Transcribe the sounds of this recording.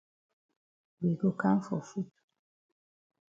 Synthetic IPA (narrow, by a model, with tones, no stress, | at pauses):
be˨ɡo˨ka˦n˦fɔ˨fu˦t